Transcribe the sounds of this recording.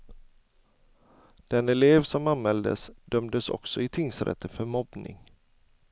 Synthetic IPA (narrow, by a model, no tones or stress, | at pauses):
d̪̥ɛnɛleːvsɔmanmɛld̪ə̰sd̪œmd̪əsɔ̰ksɔɪt̪ʰɪŋsɾɛ̰t̪ʰːəfœɾmɔbnɪ̰ŋ